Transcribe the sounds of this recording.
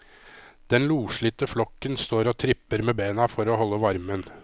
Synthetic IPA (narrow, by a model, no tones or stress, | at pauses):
d̪̥ɛnluːʂɭɪt̪əflɔkːənst̪oːɾoːt̪ʰɾɪpəɾmeːbeːnɑfɔɾoːhɔlːəʋɑɾmən